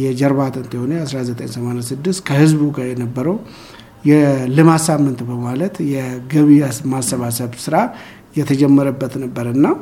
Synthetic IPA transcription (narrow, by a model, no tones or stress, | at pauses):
jɛd͡ʒɛɾβat̪ʰənt̪jɛhonəjasɾazət̪ʼəɲsəmanasɨd̪ːɨst̪kʰəhɨzbukəjɛnəbːəɾəw | jɛlɨmasamːɨnt̪bəmalət̪jɛɡəβiasmasːəβasəβsɨɾa | jɛt̪ʰəd͡ʒɛmːəɾəbːət̪nəbːəɾɨnːa